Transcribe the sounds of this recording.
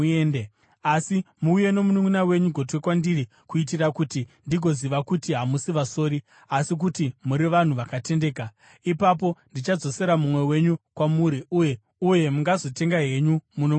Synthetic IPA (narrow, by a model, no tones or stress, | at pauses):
ene | asimuuje̞no̞munuminawe̞ɲuɡʱotwekwandiri | kuit̬irakutindiɡʱo̞ziʋakutiɦamusiʋaso̞ːɾi | asik̬utimuɾiʋan̤uʋakate̞nde̞ːka | ipap̬o̞ndit͡ʃad͡zo̞se̞ɾamumwe̞we̞ɲukwamuɾiʔuje̞ | uje̞muŋɡazo̞te̞ŋɡaɦe̞ɲumuno